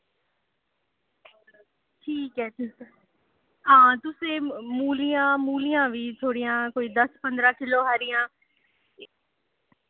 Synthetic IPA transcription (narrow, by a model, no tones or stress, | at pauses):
ʈʰiːkɦɛːtʰi | ɦãːt̪ʊsẽːmuːlijãːmuːlijãːʋiːt̪ʰoːɽijãːkoːiːd̪əspənd̪ɾãːkɪloːɦaːɾɪjãː